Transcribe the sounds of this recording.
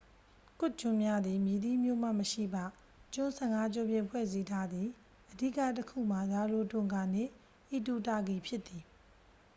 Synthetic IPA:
kʊ˦˨t͡ɕʊ̃˨mja˦d̪ði˨mji˨d̪i˦˨mjo̰˦˨m̥a̰˦˨məʃḭ˦˨ba˦˨ | t͡ɕʊ̃˦˨nsʰɛ̃˦˨ŋa˦d͡ʑɔ˦˨bjɪ̃˦˨pʰwɛ̰˦˨zi˦tʰa˦d̪ði˨ | ʔədi˦˨ka̰˦˨təkʰṵ˦˨m̥a˨za˨lo˨tʊ̃˨ŋɡa˨n̥ɪ̰̃˦˨ | ʔi˨tu˨ta˨ɡi˨pʰjɪ˦t̪ːi˨

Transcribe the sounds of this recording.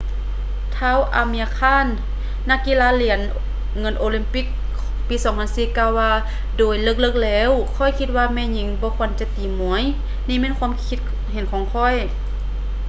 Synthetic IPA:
t̪ʰaː˧˥˨wʔa̰˨˧mi˧a˧kʰaː˧˥˨nː | a˧˥kːi˧˨laː˧li˧˩˦ən | ŋɤ˧˥˨nʔoː˧li˧mpi˧k̚ | piː˨˦sɔː˨˦ŋpʰa˧˥nsiː˧˩kaː˧˨wːaː˧ | doː˨˩jlɤ˧˩k̚lɤ˧k̚lɛː˧˥˨wkʰɔ˧˩˨jkʰi˧t̪̚waː˧˨mɛː˧˨ɲi˨˦ŋbɔː˧˦kʰo˧˨nt͡ɕa˧˦t̪iː˨˩mu˨˧˦əj | niː˧˥˨mɛː˧˥˨nkʰuː˧˥˨mkʰi˧t̪̚ | ɦe˨˦nkʰɔː˨˦ŋkʰɔ˧˥˩j

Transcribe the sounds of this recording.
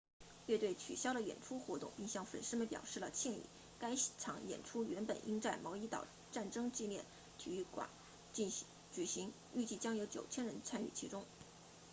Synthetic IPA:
ɥɛ˥˧t̪we˥˩ɪt͡ɕʰy˨˩ɕjɑ˥ʊd̪ə˨jɛ̰˨˩nʈ͡ʂʰu˥xwɔ˧˥t̪ʊ̰˥˧ŋpi˥˧ŋɕjɑ˥˩ŋfə̰˨˩nʂɻ̩˥mə˨npjɑ̰˨˩ʊʂɻ̩˥˩lə˩t͡ɕʰjɛ˥˧nḭ˥˩ | ka˥ɪʈ͡ʂʰɑ˧˥ŋjɛ̰˨˩nʈ͡ʂʰu˥ɥɛ˧˥npə̰˨˩nʔi˥ŋʈ͡ʂa˥˩ɪmɑ˧˥ʊi˧˥t̪ɑ̰˨˩ʊ | ʈ͡ʂa˥˩nʈ͡ʂɤ˥ŋt͡ɕi˥˧ljɛ̰˥˩n | t̪ʰi˨˩˥y˥˩kwa̰˨˧˩n˧ | t͡ɕy˨˩ɕi˧˥ŋ | y˥˧t͡ɕi˥˩t͡ɕjɑ˥ŋjo˧˥ʊt͡ɕjo˨˩ʊt͡ɕʰjɛ˥nɻə˧˥nt͡sʰa˥ny̰˥˩t͡ɕʰi˧˥ʈ͡ʂʊ˥ŋ

